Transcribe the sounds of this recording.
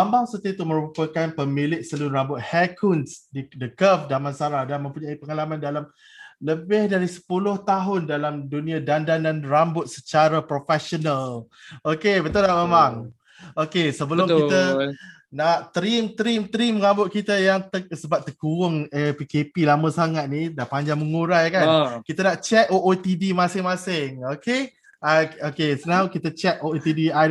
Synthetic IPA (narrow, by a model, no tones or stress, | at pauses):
ambaŋsət̪iət̪uməɾupəkanpəmilɪʔsəluɾambʊt̪̚hɛkʰunsdidəkəfdamansaɾadanmə̃mpuɲaipəŋalamandalam | ləbɪhdaɾisə̥pulʊht̪aɦʊndalamdunĩadandandanrambʊt̪̚sət͡ʃaɾapɾofɛsonəl | okebət̪unaʔmemaŋ | okesəbəlʊmkit̪ə | naʔt̪ɾimt̪əɾimt̪əɾimːəŋambʊt̪̚kit̪əjaŋt̪əsəbap̚t̪əkuʊŋepikepilamə̃saŋat̪̚nidaʔpaɲd͡ʒaŋməŋuɾajkankit̪ənaʔt͡ʃɛt̪̚oʔot̪idimãsɪŋmãsɪŋoke | aokesənawkit̪ət͡ʃɛt̪̚oet̪idia